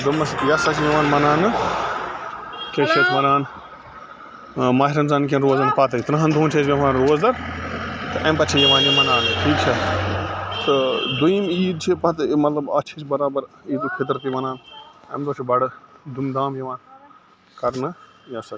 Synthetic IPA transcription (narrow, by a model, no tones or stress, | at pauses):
d̪umɐsit̪jɐsat͡ʃʰijɐʋãːnmɐnaːnɨ | keʈt͡ʃʰeːt͡ʃʰmɐnaːn | maːɦiɾɐnzaːnk̬ʲɐnɾoːzɐːnpat̪ɐit̪nɐɦɐnd̪uːnt͡ʃʰesbʲɐʋaːnɾoːzd̪ɐɾ | t̪ɨʔɐmpɐt͡ʃʰijɐʋãːnjɐmɐnaːnʈʰiːk̚t͡ʃʰɐ | t̪ɨd̪uimiːd̪t͡ʃʰipɐt̪mɐt̪lɐbɐt͡ʃʰit͡ʃbɐɾaːbɐɾiːd̪ukʰet̪̬ɾɐt̪̬imɐnaːnɐmd̪ot͡ʃʰibɐɽɨd̪umd̪aːmjɐʋaːn | kɐɾnɨ | jɐsɐ